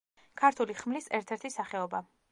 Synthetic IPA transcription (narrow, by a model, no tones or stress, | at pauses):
kʰaɾt̪ʰuliχmlisɛɾt̪ʰɛɾt̪ʰisaχɛɔba